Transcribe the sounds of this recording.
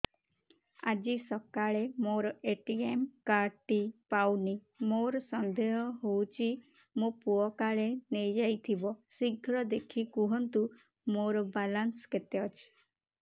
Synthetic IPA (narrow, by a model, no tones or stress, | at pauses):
a̰d͡ʒisɔkaɭemoɾɔʔeʈiemkaɾʈipawni | moɾɔsɔnd̪eɦɔɦowt͡ʃʰi | mopuɔkaɭenejd͡ʒajt̪ʰibɔsiɡʱɾɔd̪ekʰikuɦɔnt̪u | moɾɔbalansket̪eɔt͡ʃʰi̥